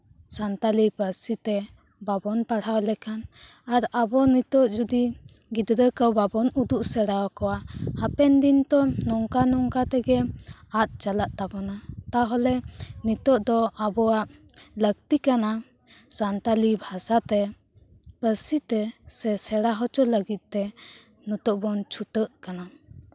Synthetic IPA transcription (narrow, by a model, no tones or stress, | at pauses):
sant̪alipəɾsit̪ɛ | babɔnpaɽ̤awlɛkan | aɾabɔnit̪ɔʔd͡ʒud̪i | ɡid̪ɾəkəwbabɔnud̪uʔsɛɽawakɔwahapɛnd̪int̪ɔnɔŋkanɔŋkat̪ɛɡɛat̪̚t͡ʃalaʔt̪abɔnat̪aɦɔlɛnit̪ɔʔd̪ɔʔabɔaʔ | lək̚t̪ikana | sant̪alibʱasat̪ɛ | pəsit̪ɛsɛsɛɽaɦɔt͡ʃɔləɡit̪̚t̪ɛ | nɔt̪ɔʔbɔnt͡ʃʰut̪əʔ̪̚kana